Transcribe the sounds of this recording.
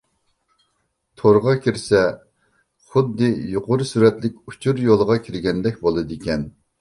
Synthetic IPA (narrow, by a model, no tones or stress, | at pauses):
t̪ʰoɾʁɑkʲʰiɾsɛ | χʊd̪ːɨjuqʊɾɨsyɾɛt̪lɪkʲu̥t͡ʃʰuɾjolˠʁɑkʲʰiɾɡʲɛnd̪ɛk̚ʲbolˠɨd̪ɨkʲɛn